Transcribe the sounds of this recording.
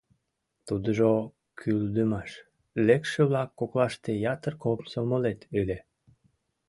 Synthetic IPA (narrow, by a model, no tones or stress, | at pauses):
t̪ud̪əʒo | kʰyld̪əmɑʃ | lekʃeβlɑkːoklɑʃt̪ejɑt̪ərkopsomolet̪yle